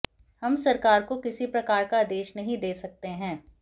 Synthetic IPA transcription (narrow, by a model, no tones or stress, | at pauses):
hɐmsɐɾkaːɾkokɪsipɾɐkaːɾkad̪eːʃnɐɦĩd̪eːsɐk̚t̪eɦɛ̃ː